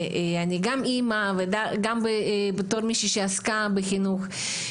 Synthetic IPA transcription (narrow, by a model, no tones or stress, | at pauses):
anʲiɡamimavɨd̪aɡambɨbt̪oɾmʲiʃiʃaskabɨxʲinux